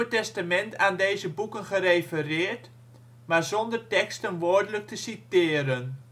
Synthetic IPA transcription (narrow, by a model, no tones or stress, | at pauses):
ətɛstamɛntaːndejzəbukənχərejfərɪːɹt | maɹzɔndərtɛkstənʋoːɹdələk̚təsitɪːɾən